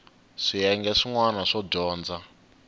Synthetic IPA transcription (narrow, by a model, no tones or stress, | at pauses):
ʂiɛŋɡɛʂiŋwanaʂɔɟɔːnd͡za